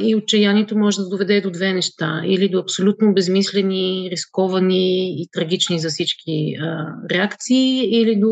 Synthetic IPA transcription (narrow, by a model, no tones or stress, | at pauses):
iot̚t͡ʃɐjaniɛt̪omɔʒɛd̪ɐd̪ovɛd̪ɛd̪od̪vɛnɛʃt̪aḭlid̪oɐpsolʲut̪nobɛzmislɛniɾiskɔvɐniːt̪ɾɐɡʲit͡ʃnizɐfsit͡ʃkʲiəɾɛakt̪siːilid̪o